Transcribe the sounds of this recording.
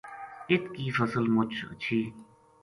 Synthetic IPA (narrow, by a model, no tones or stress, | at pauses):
ɪt̪kiːfəsəlmʊt͡ʃʰə̰t͡ʃʰiː